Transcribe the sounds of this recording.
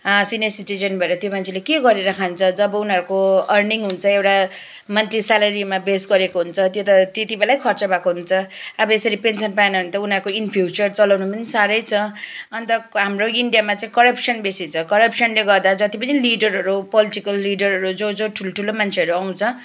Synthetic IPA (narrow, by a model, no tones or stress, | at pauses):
ʌsinesiʈid͡zʌnbʱʌeɾʌt̪jomant͡sʰelekeɡʌɾeɾʌkʰant͡sʰʌd͡zʌbʌunɦʌɾukoʌrniŋɦunt͡sʰʌewʈa | mʌnt̪ɾisalʌɾimabesɡʌɾekoɦunt͡sʰʌt̪jot̪ʌt̪jet̪ibelajkʰʌrt͡sʌbakoɦunt͡sʰʌʌbʌesʌɾipensʌnpaenʌʌnt̪ʌunʌɾukoinpʰjuut͡sʌrt͡sʌlawnumʌnsaɾʌjt͡sʰʌʌnt̪ʌɦamroiɳɖijamat͡saĩkʌɾʌpsʌnbesit͡sʰʌkʌɾʌpsʌnleɡʌrd̪ad͡zʌt̪ipʌniliɖʌɾɦʌɾupʌliʈikʌlːiɖʌɾɦʌɾud͡zod͡zoʈʰulʈʰulomant͡sʰeʌɾuaw̃t͡sʰʌ